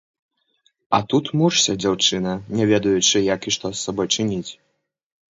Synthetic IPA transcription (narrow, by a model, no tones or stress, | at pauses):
ɐt̪ut̪muʂsʲɐd͡zʲawt͡ʂɨnɐnʲɛvʲɛd̪ɐjut͡ʂɨjakiʂt̪ɔsːabɔjt͡ʂɨnʲit͡sʲ